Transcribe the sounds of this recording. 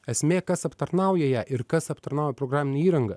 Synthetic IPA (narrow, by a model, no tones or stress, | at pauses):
ɛsʲmʲeːkɐsɐpt̪ɐɾnɐʊjɛjæːʔɪɾkɐsɐpt̪ɐɾnɐʊjɛpɾoːɡɾaːmʲɪnʲɪiːɾɐŋɡɐ